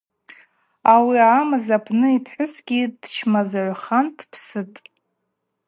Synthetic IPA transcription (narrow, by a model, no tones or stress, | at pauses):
awiamazapʰnɨipʰħʷʊsɡʲidt͡ʃʰmazaʕʷχantʰpʰsɨtʼ